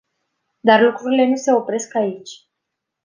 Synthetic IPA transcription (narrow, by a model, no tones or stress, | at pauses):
d̪arlukɾuɾile̞nuse̞o̞pɾe̞skait͡ʃʲ